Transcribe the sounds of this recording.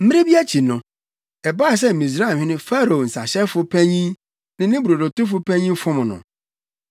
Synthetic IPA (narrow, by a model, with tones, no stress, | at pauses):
m̩˦mɪ̃˦ɪ˦bi˦æ˦t͡ɕʰi˨nʊ̃˨ | ɛ˨baː˦˨s̬ɛ˦m̩˨mĩ˨s̬ɾa˦˨hᶣɪ̃˦nɪ̃˦fa˦ɾo˨o˨n̩˨sa˨ɕɛ˦fʊ˦pʰæ̃˦ɲĩ˦ | nɪ̃˦nɪ̃˦bu˨ɾo˨do˨tʊ˦fʊ˦pʰæ̃˦ɲĩ˦m˦fɔ̃˦mʊ̃˨nʊ̰̃˨